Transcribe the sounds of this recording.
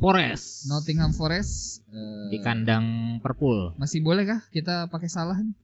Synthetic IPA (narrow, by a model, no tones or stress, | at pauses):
foɾɛsnot̪ɪŋɦamfoɾɛsədikandaŋpərpʊlmasɪhbolɛhkakit̪̬apakesalahn